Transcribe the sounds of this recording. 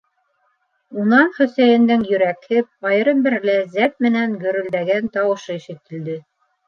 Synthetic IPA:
unɑnχɵ̆sæjɘ̆nd̪ɘŋjɵ̆ɾækhɘp̚ɑjɤɾɤmbɘ̆ɾlæzæp̪̚mɘ̆næŋɡɵ̆ɾɵ̆ld̪æɡænt̪ɑwɤ̆ʃɤiʃɘ̆t̪ɘ̆ld̪ɘ

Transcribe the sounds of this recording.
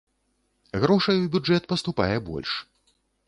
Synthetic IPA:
ɣɾɔʂɐjubʲud͡ʐɛt̪̚pɐst̪upa̰jɛbɔ̰lʲʂ

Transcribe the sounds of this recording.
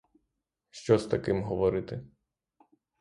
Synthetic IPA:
ʃt͡ʃɔst̪ɐkɪmɦɔʋɔɾɪt̪ɪ

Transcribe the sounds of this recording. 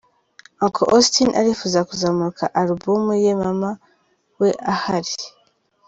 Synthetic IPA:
aŋkʰo̰ʔostinʔa̰ɾifuzakuzamuɾukʰaʔaɾubumujemama | weʔahaɾi

